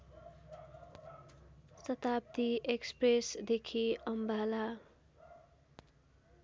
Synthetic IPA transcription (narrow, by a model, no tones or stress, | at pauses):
sʌt̪ap̚t̪iʔekspresd̪ekʰiʌmbala